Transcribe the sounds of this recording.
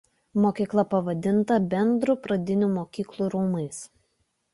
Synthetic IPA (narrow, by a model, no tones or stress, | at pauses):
moːkʲiːklˠɐpɐʋɐd̪ʲɪnt̪ɐbʲɛnd̪ɾuˑpɾɐd̪ʲɪnʲuːmoːkʲiːklˠuːɾuːmɐɪs